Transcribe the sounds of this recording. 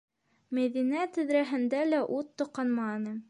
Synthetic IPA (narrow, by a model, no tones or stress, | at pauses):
mæðinæt̪ɘ̆ðɾæɦɘ̆nd̪ælæʔut̪ːŏqɑnmɑnɤ